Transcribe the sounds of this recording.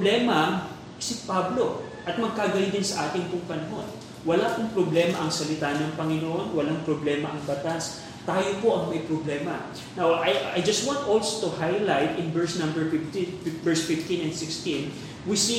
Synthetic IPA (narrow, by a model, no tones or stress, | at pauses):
blɛmɐ | sɪpablo̞ | ʔɐt̪̚mɐɡ̚kaɡɐlid̪ɪnsɐʔaːt̪ɪŋpʊŋpɐnɐɦo̞n | wɐlaːpʊŋpɾoblɛːmɐʔɐŋsɐlɪt̪aːnɐŋpɐŋɪnoʔo̞nwɐlaŋpɾoblɛːmɐʔɐŋbɐt̪as | t̪aːjopo̞ʔɐŋmɐjpɾoblɛːmɐ | nawʔɐjajd͡ʒɐst̪want̪ʔolsot̪ʊhajlajt̪ɪ̃nbɛɹsnɐ̃mbɛɹfɪft̪ibɛɹsfɪft̪inɛ̃nd̪sɪkst̪ĩn | wɪsi